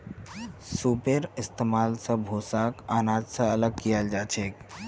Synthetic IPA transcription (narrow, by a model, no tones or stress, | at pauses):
supeɾist̪emalsə̃bʱosakanãd͡ʒ̪sə̃ələɡ̚kijald͡ʒat͡ʃʰek